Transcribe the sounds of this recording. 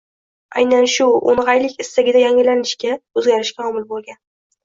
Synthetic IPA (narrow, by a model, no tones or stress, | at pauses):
a̰jnanʃʊo̰nʁɑjlɪkʲɪst̪aɡʲɪd̪ajaŋɪlanɪʃkʲaɵzɡʲaɾɪʃkʲaɒmɪlbolˠɡʲan